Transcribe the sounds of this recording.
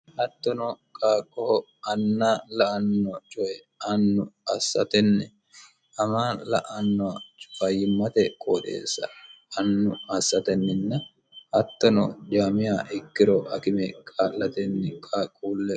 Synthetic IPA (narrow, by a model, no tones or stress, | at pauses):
hɐt̪ːɔnɔkʼaːkʼːɔhɔ | ɐnːalɐʔɐnːɔt͡ʃʼɔʔɛ | ɐnːʊɐsːɐ̰t̪ɛnːɛ | ɐmaːlɐ̰ʔɐnːɔɐt͡ʃʼʊ̥fɐjɪmːɐt̪ɛkʼoːᶑḛːsːɐ̰ɐnːʊɐsːɐt̪ɛnːɪnːɐ | hɐt̪ːɔnɔ̰d̪aːmɪjaːʔɪkːɪɾɔʔɐkɪmɛkʼaːlːɐt̪ɛnːɛkʼaːkʼːuːlːɛ